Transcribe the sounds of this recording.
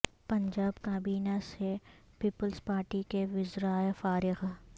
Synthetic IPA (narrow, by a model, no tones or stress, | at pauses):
pɐ̃ɲd͡ʒaːbkaːbiːnase | piːpəlzpaːɾʈikeʋɪzɾaːefaːɾɪɣ